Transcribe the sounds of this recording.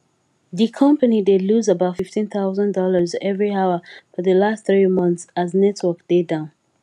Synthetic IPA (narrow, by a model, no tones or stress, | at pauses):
ðikʰʌ̃mpənideluzəbaʊtfiftĩnθaʊzə̃ndɔləzɛvɹiaʊəfɔðəlastθɹimʌ̃nθsaznɛtʰwək̚d̥edãʊ̃n